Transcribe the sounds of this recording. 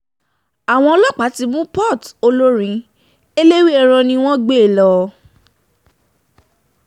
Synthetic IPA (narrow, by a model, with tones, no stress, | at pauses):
a˨w̃ɔ̃˧ɔ˧˦lɔ˦k͡pa˨˦ti˧mũ˦pɔ˦˨to˧lo˦ɾ̃ĩ˨˦ | e˦le˦wi˦ɛ˧ɾ̃ɔ̃˧nĩ˧w̃ɔ̃˦ɡ͡be˦e˨lɔ˧˨